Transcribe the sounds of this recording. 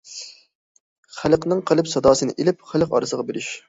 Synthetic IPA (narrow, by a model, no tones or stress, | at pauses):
χælqnɨŋqʰəlˠɨpsɑd̪ɑːsɨnɨ̰ʔelɪp̚χælˠqɑ̰ɾɨsəʁɑbeɾyʃ